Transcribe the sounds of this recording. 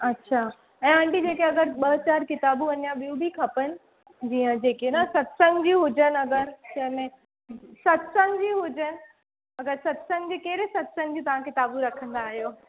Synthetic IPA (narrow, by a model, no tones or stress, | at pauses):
ɐtːɕʰaː | ɛ̃ːãːɳɖid͡ʑeːkeɐɡəɾɓɐɦt͡ɕaːɾkɪt̪aːbuʋɐnjaɓijũbʱikʰɐpənɪ̆ | d͡ʑiːə̃d͡ʑeːkenɐsɐt̪səŋd͡ʑiɦʊd͡ʑənɪɐɡəɾt͡ɕɐ̃ɦɪ̃mẽ | sɐt̪sənd͡ʑiːɦʊd͡ʑənɪ̆ | ɐɡəɾsɐt̪səŋd͡ʑeːkeːɾesɐt̪sənɪ̆d͡ʑĩːt̪ɐʋ̤ãkɪt̪aːbuɾɐkʰə̃nd̪aːɦijoː